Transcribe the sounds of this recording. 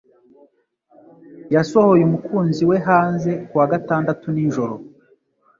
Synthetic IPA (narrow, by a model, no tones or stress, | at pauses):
jaso̞ho̞jemukuːnziwe̞ɦaːnze̞kuwaɡataːndatuniːʒo̞ɾo̞